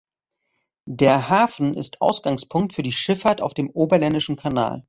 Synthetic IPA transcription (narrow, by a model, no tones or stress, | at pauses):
deːɐhaːfn̩ɪ̰stʔa̰ʊsɡ̥aŋspʰʊŋk̚tfyːɐdiːʃɪfaɐta̰ʊfd̥eːmʔoːbɐlɛndɪʃn̩kʰana̰ːl